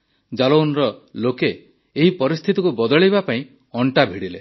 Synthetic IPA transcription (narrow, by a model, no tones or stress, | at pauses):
d͡ʒalownɾɔlokeː | ɦipɔɾist̪ʰit̪ikubɔd̪ɔɭibapaĩ | ɔɳʈabʱiɽile